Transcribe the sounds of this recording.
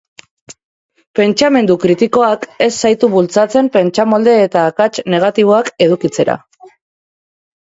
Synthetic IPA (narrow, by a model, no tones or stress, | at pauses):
pe̞nt͡ʃame̞nd̪ukɾit̪iko̞ake̞sːajt̪uβult͡sat͡se̞mpe̞nt͡ʃamo̞ld̪e̞ːt̪aːkat͡ʃne̞ɣ̞at̪iβ̞o̞ake̞ðukit͡se̞ɾa̰